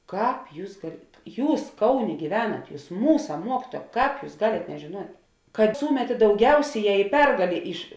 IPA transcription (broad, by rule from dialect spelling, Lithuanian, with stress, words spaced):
ˈkɑːp ˈjuːs ɡɐlˠ ˈjuːs ˈkɐʊˌnʲeː ɡʲiːˈʋʲæːnɐt ˈjuːs ˈmuːsɐ ˈmuɔkʲɪtuɔjɛ ˈkɑːp ˈjuːs ˈɡɑːlʲeːt nʲɛʒʲeːˈnuɔtʲ kɐt ˈsuːmʲɛtʲeː dɐʊˈɡʲɛʊsʲeːˌjɛː ɪ ˈpʲɛrɡɐlʲeː ɪʃ